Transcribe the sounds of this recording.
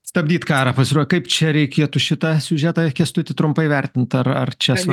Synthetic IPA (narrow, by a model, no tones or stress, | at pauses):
st̪ɐbʲd̪ʲiːt̪kɑːɾɑpɐsʲɪɾuɔjʲkɐɪpt͡ʃʲɛɾʲɛɪkʲeːt̪ʊʃʲɪt̪ɐsʲʊʒʲæːt̪ɐkʲiɛst̪ʊt̪ʲɪt̪ɾʊmpɐɪʋʲɛrʲt̪ʲɪnt̪ɐrɐ̰rt͡ʃʲɛs